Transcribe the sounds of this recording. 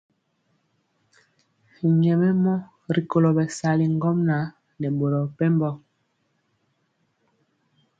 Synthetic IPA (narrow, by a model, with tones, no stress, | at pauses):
ɲɛ˨mɛ˦mɔ˦ | ɾi˨ko˨lo˨bɛ˨sa˨li˨ŋɡɔ˦mna˨˦ | nɛ˨ɓo˨lɔ˨pɛ˦mbɔ˦